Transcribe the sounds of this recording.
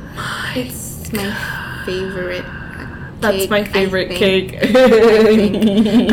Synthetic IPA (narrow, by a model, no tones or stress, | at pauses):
naɪs | maɪfeɪvəɹɪt̚ | ðætsmaɪfeɪvəɹɪt̚kʰeɪk